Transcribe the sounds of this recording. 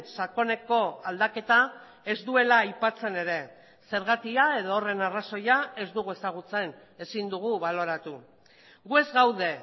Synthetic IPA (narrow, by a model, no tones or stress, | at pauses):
sako̞ne̞ko̞ald̪ake̞t̪a | e̞zd̪ue̞lajpat͡se̞ne̞ɾe̞ | se̞ɾɣ̞at̪iae̞ðoːre̞naraso̞jae̞zd̪uɣue̞saɣ̞ut͡se̞n | e̞sind̪uɣ̞uβalo̞ɾat̪u | ɣue̞zɣawðe̞